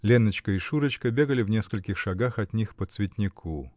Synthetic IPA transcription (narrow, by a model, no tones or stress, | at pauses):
lʲenːət͡ɕkəɪʂuɾət͡ɕkəbʲe̞ɡəlʲɪvnʲeskəlʲkʲɪxʂɐɡaxɐt̪ʲnʲixpət̪svʲɪtʲnʲɪkʰu